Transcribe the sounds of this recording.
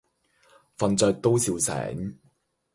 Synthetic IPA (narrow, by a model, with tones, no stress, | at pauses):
fɐ˨nt͡sœː˨˧k̚t̪o˥wsiː˧wsɛ̰ː˨˥ŋ